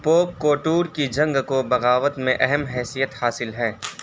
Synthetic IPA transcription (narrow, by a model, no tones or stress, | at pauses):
poːp̚koːʈuːɾkid͡ʒɐ̃ŋɡkobɐɣaːʋət̪mẽʔɛɦɛmɦɛːsijət̪haːsɪlɦɛː